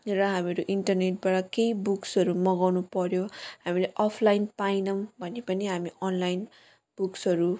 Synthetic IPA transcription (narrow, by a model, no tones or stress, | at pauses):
ɾʌɦameɾoʔiɳʈʌrneʈ̚baʈʌkejbuksʌɾumʌɡawnupʌɾjohamileʔʌpʰlajnpainʌmbʱʌnepʌniɦamiʌnlajn | b̥uksʌɾu